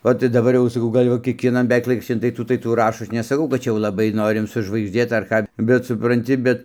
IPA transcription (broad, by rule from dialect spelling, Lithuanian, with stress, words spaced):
oː tɐɪ dɐˈbɐr jɛʊ sɐˈkɐʊ ˈɡɐlʲ jɛʊ kʲiɛkʋʲiɛˈnɐn bʲɛˈʋʲɛɪk ˈlˠɐɪkrɐʃʲt͡ʃʲɪn tɐɪ ˈtuː tɐɪ ˈtuː ˈrɑːʃoː ˈɐʃ nʲɛsɐˈkɐʊ kɐt ˈt͡ʃʲɛ jɛʊ lˠɐˈbɐɪ ˈnoːrʲɪm sʊʒʋɐɪɡʒʲˈdʲeːt ɐr ˈkɑː bʲɛt sʊprɐnʲˈtʲɪ ˈbʲɛt